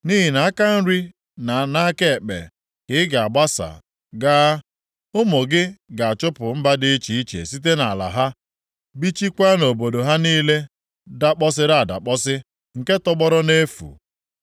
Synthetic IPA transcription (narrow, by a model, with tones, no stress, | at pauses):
ni˦ɦi˨na˨a˦ka˦n̩˦ɾi˦ | na˨na˦ke˦˨k͡pḛ˨ | kɪ˨˦ɪ˦ɡa˨a˨ba˦sa̰˨ | ɡaː˦ | ʊ˦mo˨ɡɪ˦ɡa˨a˨t͡ʃʊ˦pʊ˨m̩˦ba˦dɪ˦t͡ʃi˨i˦t͡ʃḛ˨si˦t̬e˦na˨a˨la̰˨ɦa˦ | bi˦t͡ʃi˦kʷa˦no˨bo˨do˨ɦa˦niː˦le˦ | da˦k͡pɔ˦s̬ɪ˦ɾa˦˨a˨da̰˨k͡pɔ˦sɪ˦ | ŋ̩˨ke˦tɔ˦ɡ͡bɔ˦ɾɔ˦ne˦fṵ˨